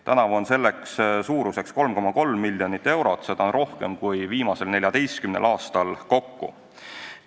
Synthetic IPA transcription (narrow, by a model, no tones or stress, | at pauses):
t̪ænɑvo̞nse̞lːe̞kssuːɾuse̞ksko̞lmko̞mɑko̞lmːilʲːjo̞nit̪ːˑe̞wɾo̞t̪ːˑsed̪̥ɑnɾo̞hke̞̰mkujviːmɑse̞lne̞lʲjɑd̪̥e̞jskymne̞̰lʔɑːst̪ɑlko̞kːṵ